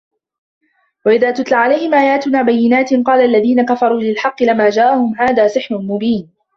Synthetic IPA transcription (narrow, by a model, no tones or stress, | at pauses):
waʔɪðaːt̪ʊt̪laʕalajhɪmʔaːjaːt̪ʊnaːbajːɪnaːt̪ɪqɑːlaʔalːaðiːnakafɑɾˤuːlɪlħɑqːɨlɪmaːd͡ʒaːʔahʊmɦaːðaːsɨħnʊnmʊbiːn